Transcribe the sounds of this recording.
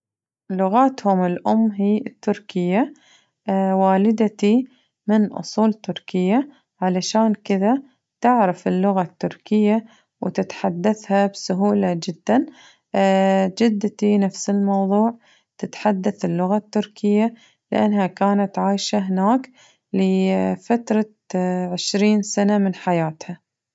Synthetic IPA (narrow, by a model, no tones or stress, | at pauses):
lʊɣaːt̪hʊmɪlʔʊmːɦiːɪt̪ːʊɾkɪjːa | waːlɪd̪at̪i | mɪnʔʊ̰sˤuːlt̪ːʊɾkɪjːa | ʕalaʃaːnkɪða | t̪ɪʕɾafɪlːʊɣat̪ːʊɾkɪjːa | wt̪ɪt̪ħad̪ːaθhabsʊɦuːlad͡ʒɪd̪ːan | d͡ʒɪd̪ːt̪inafsɪlmɑwðˤuːʕ | t̪ɪt̪ħad̪ːaθɪlːʊɣat̪ːʊɾkʰɪjːa | lɪʔa̰nːɦakaːnat̪ʕaːjʃaɦɪnaːk | lɪfat̪ɾˤɑ | ʕɪʃɾiːnsanamɪnħajaːt̪ha